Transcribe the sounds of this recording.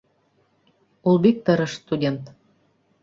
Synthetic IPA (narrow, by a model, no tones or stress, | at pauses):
ulˠbik̚t̪əɾə̆ʃst̪udʲent̪